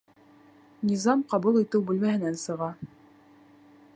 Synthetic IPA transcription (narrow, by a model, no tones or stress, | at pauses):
nʲizɑmqɑβulˠit̪ɘwbʉlmæhɘ̆nænsɤ̆ʁɑ